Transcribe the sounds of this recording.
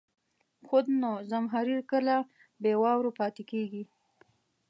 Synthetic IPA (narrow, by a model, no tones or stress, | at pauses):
xod̪nozamɦaɾiɾkəla | bewɑwɾopɑt̪ekeɡi